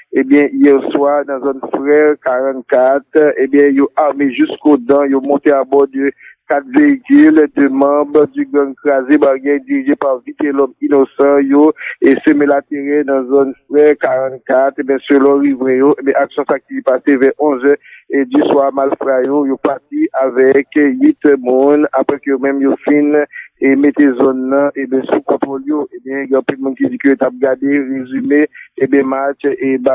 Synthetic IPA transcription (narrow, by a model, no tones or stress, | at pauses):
ebjɛ̃ijɛʁswad̪ãzonfʁɛʁkaʁɑ̃t̪kat̪ebjɛ̃joʔaʁmeʒyskod̪ãjomɔ̃t̪eabɔd̪økat̪veikyld̪ømʌ̃bdyɡʁãkʁazebaʁjɛjd̪iʁiʒepaʁvit̪elɔminosɑ̃joesømelat̪eʁed̪ãzonfʁɛʁkaʁɑ̃t̪kat̪ebjɛ̃sølɔʁivʁɛ̃joʔebjɛ̃ʔaksjɔ̃sak̚ipasevɛʁʔɔ̃zɛediswamalfʁajojopatiʔavɛkɥit̪mũnapʁɛkøjomɛ̃mjofinemet̪ezɔnːʌ̃ʔebjɛ̃sukɔ̃t̪ʁoljoʔebjɛ̃ɡɛ̃ɔ̃pɛlmũnkid͡zikøjot̪ap̚ɡadeʁezymeːbjɛ̃mat͡ʃeba